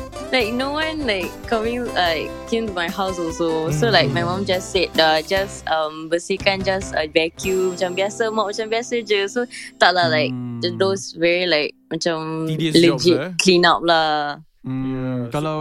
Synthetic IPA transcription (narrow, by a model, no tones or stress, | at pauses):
laɪk̚nowãnlaɪkː | amĩŋlaɪkː | ẽmtumajhaʊsɔlsosolaɪk̚majmãmd͡ʒasːɛt̚ad͡ʒasãmbəsihkãnd͡ʒasabɛkʰjumat͡ʃãmbiasəmaʔmat͡ʃãmbiasəd͡ʒəsot̪aʔlalaɪk̚d͡ʒdosvɛɹilaɪk̚mat͡ʃãmlɛd͡ʒɪt̚kʰlĩnap̚la | k